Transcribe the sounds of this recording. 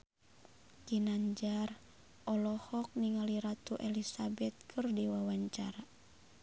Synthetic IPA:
kinaɲd͡ʒar | ʔɔlɔhɔk̚niŋaliɾat̪uʔɛlisabɛt̪̚kʰɨrdiwawaɲt͡ʃa̰ɾa

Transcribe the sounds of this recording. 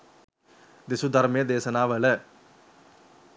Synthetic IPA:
d̪ɪsud̪əɾmẽːd̪eːsənaːʋəlɛː

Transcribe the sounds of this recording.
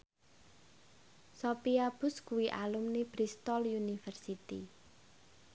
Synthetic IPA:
sopiab̥ʊ̤skuwiʔalumnib̥ɾist̪ɔlunifərsit̪ḭ

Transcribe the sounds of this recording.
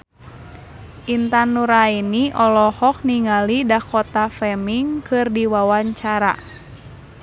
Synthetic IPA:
ʔint̪anːuɾainiʔɔlɔhɔk̚niŋalidahkɔt̪afɛmiŋkɨrdiwawaɲt͡ʃaɾa̰

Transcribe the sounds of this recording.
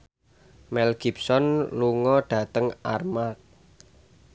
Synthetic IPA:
mɛlɡ̥ipsɔnluŋɔɖ̥ä̤t̪əŋarmak̚

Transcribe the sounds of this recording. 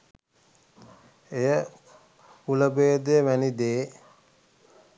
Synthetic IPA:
ejə | uləbeːd̪eːʋænid̪eː

